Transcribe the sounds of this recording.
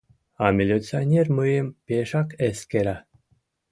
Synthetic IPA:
ɑmʲilʲit͡sionʲerməjəmpeʃɑkeskeɾa

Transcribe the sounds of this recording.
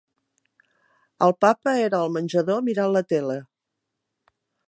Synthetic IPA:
əlˠpapəeɾəːlˠmənʲʒəðomiɾalət̪elə

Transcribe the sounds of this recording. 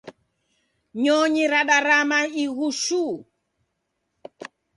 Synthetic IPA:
ɲɔɲiɾaɗaɾamaiɣuʃu

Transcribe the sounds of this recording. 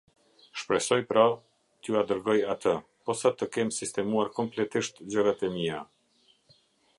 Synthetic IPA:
ʃpɾɛsɔjpɾa | t̪juad̪əɾɡɔjat̪ʰə | pɔsat̪əkɛmsist̪ɛmuaɾkɔmplɛt̪iʃt̪d͡ʑəɡat̪ɛmia

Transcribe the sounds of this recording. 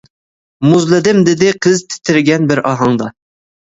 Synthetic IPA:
muzlˠɨd̪ɪmd̪ɪd̪ɪqʰɨzt̪ʰɪ̥t̪ʰɪɾɡʲɛnbɪɾʔɑɦɑŋd̪ɑ

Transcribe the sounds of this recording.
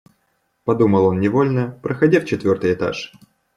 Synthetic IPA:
pɐd̪uməlˠo̞nnʲɪvo̞lʲnəpɾʔəxɐdʲaft͡ɕɪt̪vʲo̞rt̪ɨjɪt̪a̰ʂ

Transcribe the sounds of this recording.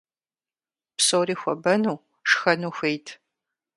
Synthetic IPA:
psoːriːxʷɔbɐnuː | ʂxɐnuːxʷejtʰ

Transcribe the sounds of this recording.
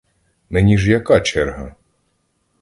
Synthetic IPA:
menʲiʐjakat͡ʃɛrɦɐ

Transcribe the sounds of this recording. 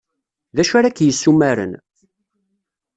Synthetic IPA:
ðæʃaɾakːjəsːumæɾə̰n

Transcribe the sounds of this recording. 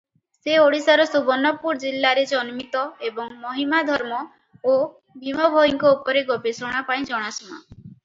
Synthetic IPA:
seoɽisaɾɔsubɔnɔpuɾd͡ʒilːaɾed͡ʒɔnmit̪ɔebɔŋmɔɦimad̪ʱɔɾmɔ | o | bʱimɔbʱɔiŋkɔupɔɾeɡobesɔɽ̃apaĩd͡ʒɔɽ̃asɔma̰

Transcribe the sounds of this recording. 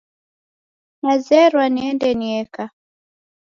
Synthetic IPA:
nazɛɾwaniɛndɛniɛka

